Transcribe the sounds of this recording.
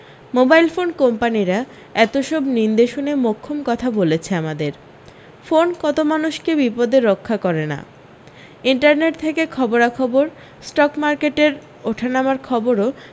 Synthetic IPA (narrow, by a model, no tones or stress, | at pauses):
mobajlfonkɔmpaniɾa | ɛt̪oʃɔbnind̪eʃunemokʰːomkɔt̪ʰabolet͡ɕʰeamad̪eɾ | fonkɔt̪omanuʃkebipod̪eɾːokʰːakɔɾena̰ | iɳʈaɾneʈ̚t̪ʰekekʰɔboɾakʰɔboɾ | sʈɔkmaɾkeʈeɾ | oʈʰanamaɾkʰɔboɾo